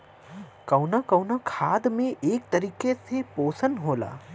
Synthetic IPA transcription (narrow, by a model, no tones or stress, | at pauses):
kɐʊnakɐwnakʰaːd̪mẽʔeːk̚t̪ɐɾiːkesepoːsənɦoːla̰ː